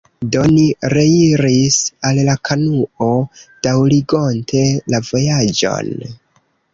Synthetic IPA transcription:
do̞niɾe̞iɾisallakʰanuo̞d̥awɾiɡo̞ntʰe̞lavo̞jad͡ʒo̞̰n

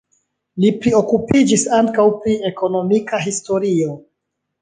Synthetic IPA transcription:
lipɾio̞kupid͡ʒisaŋkawpɾie̞ko̞no̞mikaɦisto̞ɾio

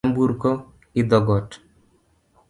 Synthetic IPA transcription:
mbuɾkɔ | id̪ɔɡɔt

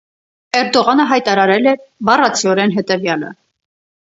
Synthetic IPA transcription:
ɛɾd̪ɔʁɑnəɦɑjt̪ɑɾɑɾɛlɛɾbɑrɑt͡sʰiɔɾɛnɦɛt̪ɛvjɑlə̰

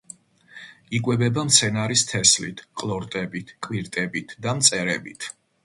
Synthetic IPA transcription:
ikʼwɛbɛbamt̪sʰɛnaɾist̪ʰɛslḭt̪ʰqʼlˠɔɾt̪ʼɛbit̪ʰkʼwiɾt̪ʼɛbit̪ʰd̪amt̪sʼɛɾɛbit̪ʰ

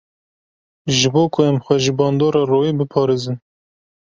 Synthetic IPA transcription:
ʒɨboːkʰʊɛmxʷɛʒɨbɑːnd̪oːɾɑːroːiːbɨpʰɑːɾeːzɨn

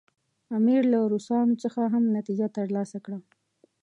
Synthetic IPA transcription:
amiɾlaɾusɑnot͡səxaɦamnat̪id͡ʒat̪əɾlɑsakɽa

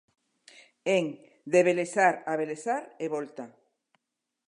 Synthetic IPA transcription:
eŋ | d̪eβelesaɾaβelesaɾeβolt̪a

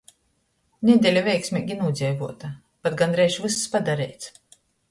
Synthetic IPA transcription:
nʲid̪ʲɛlʲavʲɛjksʲmʲiːɡʲinuːd̪zʲɛjvuɔt̪a | pat̪̚ɡand̪ɾɛjʃvɨsspad̪aɾɛjt̪s

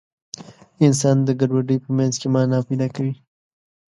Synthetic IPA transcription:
ɪns̬ɑnd̪əɡaɖwaɖəjpəmanzkemɑnɑpujd̪ɑkawi

